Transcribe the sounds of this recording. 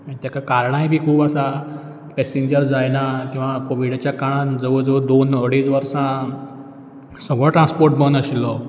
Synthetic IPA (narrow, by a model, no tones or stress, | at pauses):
əɽit̪jakakaɾɳaɦebʱiːkʰuːpəsa | pɛseɲd͡ʑəɾd͡zajnak̪ĩw̃ʋakoʋiɽat͡ɕjakaɽãd͡zəʋəd͡zəʋəd̪onəɽiːt͡sʋəɾsã | səɡɭɔ̃ʈɾãnspoɾʈ̚bənəɕilɔ